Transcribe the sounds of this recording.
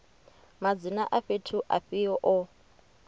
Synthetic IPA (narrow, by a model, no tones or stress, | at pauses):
mad͡zinaʔaɸetʰuʔa̰ɸiɔʔɔ